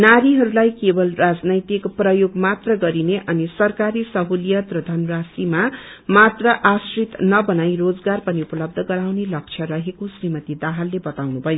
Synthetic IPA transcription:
naɾiɦʌɾulajkebʌlrad͡znʌjt̪ikprʌjoɡmat̪rʌɡʌɾineʔʌnisʌrkaɾisʌɦolijʌt̪rʌd̪ʱʌnɾasimamat̪rʌʔasrit̪nʌbʌnajrod͡zɡarpʌniupʌlʌb̚d̪ʱʌɡʌɾawnelʌk̚t͡sʰjʌɾʌɦekosrimʌt̪id̪aɦalːebʌt̪awnubʱʌjo

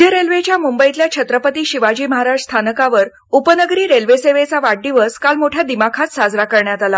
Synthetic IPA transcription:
jəɾelʋet͡ɕjamumbəit̪ljat͡ɕʰət̪ɾəpət̪iːɕiʋad͡ʑiːməɦaɾaʂst̪ʰanəkaʋəɾ | upənəɡɾiːɾelʋeseʋet͡saʋaɽɖiʋəskalmoʈʰjad̪imakʰat̪sad͡zɾakəɾɳjat̪ala

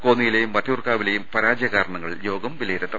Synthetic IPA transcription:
ko̞ːnːijilejumʋɐt̪ːjuːrkaːʋilejumpɐɾaːd͡ʑjɐɣaːɾɐɳɐŋːɐɭjo̞ːɡɐmʋileːɾɐt̪ːɐ

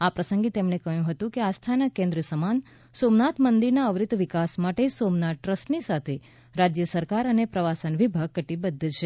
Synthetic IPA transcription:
apɾəsə̃ŋɡit̪emɳekəɦjũɦət̪ũkeast̪ʰanakẽnd̪ɾəsəman | somnat̪ʰmənd̪iɾnaəʋɾɪt̪ʋikasmaʈesomnaʈːɾəsʈnisat̪ʰe | ɾad͡ʒjəsəɾkaɾənepɾəʋasənʋibʱaɡ̚kəʈibəd̪ʱːt͡ʃʰe

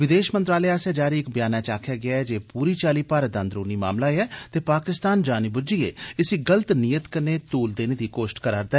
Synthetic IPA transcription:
ʋɪd̪eːʃmənt̪ɾaːlɛːaːseːd͡ʒaːɾiːɪkbɪjaːnaːt͡ʃaːkʰjaːɡɪaːɛd͡ʒeːpuːɾiːt͡ʃaːliːpaːɾəd̪ãnd̪ɾoːniːma̰ːmlaːeɛːt̪eːpaːkɪst̪aːnd͡ʒaːnibʊd͡ʒiːḛːɪsiːɡələt̪nijət̪kəneːt̪uːld̪eːneːd̪iːkoːʃʈkəɾaːɾd̪aɛː

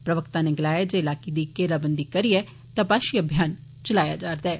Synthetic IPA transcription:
pɾɐʋəkt̪ãneɡlaːjed͡ʒeɪlaːked̪ikeːɾabənd̪ikɐɾiɛ | t̪ãpaːʃiəbʱjaːn | t͡ʃəlaːjad͡ʒaːɾd̪ɛː

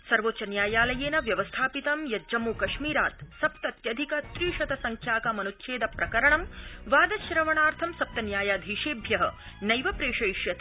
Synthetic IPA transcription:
sɐɾʋotːt͡ʃɐnjaːjaːlɐjeːnɐʋjɐʋɐst̪ʰaːpit̪ɐmjɐd͡ʒɐmuːkɐʃmiːɾaːt̪sɐp̚t̪ɐt̪jɐd̪ʱikɐt̪ɾiːʂɐt̪ɐsɐŋkʰjaːkɐmɐnut̪ːʃʰeːd̪ɐpɾɐkɐɾɐɳɐmʋaːd̪ɐʃɾɐʋɐɳaːɾt̪ʰɐmsɐp̚t̪ɐnjaːjaːd̪ʱiːʃeːbʱjɐɦɐ̰ | nɐjʋɐpɾeːʂɐjʂjɐt̪ː

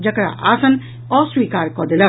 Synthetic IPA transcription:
d͡ʒɐkɽa̰ʔaːsən | ɔswiːkaːɾkɔd̪elə

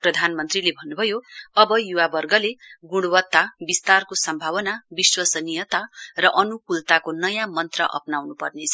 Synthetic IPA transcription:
prʌd̪ʱanmʌnt̪rilebʱʌnːubʱʌjoʌbʌjuwabʌrɡʌleɡuɽwʌt̪ːabist̪arkosʌmbʱaβʌnabiswʌsʌnijʌt̪arʌʔʌnukult̪akonʌjãmʌnt̪rʌʔʌ̰pnawnupʌrnet͡sʰʌ

